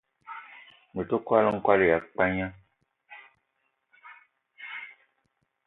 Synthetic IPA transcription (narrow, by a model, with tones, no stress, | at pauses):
nu˨to˦ka˦lə˦ŋ̩˦kwa˦le˦˨ja˨k͡pa˦ɲã˦